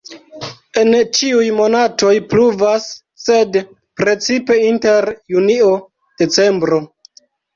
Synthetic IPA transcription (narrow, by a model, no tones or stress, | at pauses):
e̞nt͡ʃiujmo̞nato̞jpluvasː | e̞d | pɾe̞t͡sipe̞inte̞ɾjunio̞ | d̥e̞t͡se̞mbɾo